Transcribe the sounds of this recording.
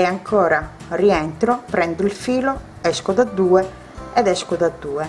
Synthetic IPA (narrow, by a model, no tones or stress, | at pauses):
ɛaŋkʰɔːɾa | riɛnt̪ɾɔpɾɛnd̪uilfiːlɔ | ɛskɔðad̪ːuːɛ | ɛðɛskod̪ad̪ːuːɛ